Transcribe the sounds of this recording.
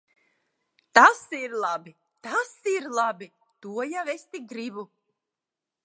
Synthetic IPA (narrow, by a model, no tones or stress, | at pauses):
t̪asiɾlˠabi | t̪asiɾlˠabi | t̪uɔjavɛst̪iɡɾibu